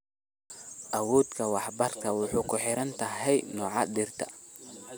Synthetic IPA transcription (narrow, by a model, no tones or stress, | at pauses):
ʔɐwɔːd̪kʰɐwɑħbɐrkʰɐwʊħuːkʰʊħɪɾɐnt̪ʰɐɦɛjnɔːʕɑd̪ɪrt̪ʰɐ̥̰